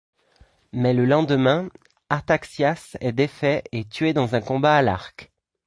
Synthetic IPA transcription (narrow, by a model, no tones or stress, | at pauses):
mɛləlɑ̃d̪mɛ̃ | aʁt̪aksjasɛd̪efɛet̪ɥed̪ɑ̃zɛ̃kɔ̃baːla̰ʁk